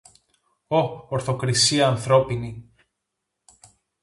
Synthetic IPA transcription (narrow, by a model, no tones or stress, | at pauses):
o̞oɾθo̞kɾisiɐːnθɾo̞pini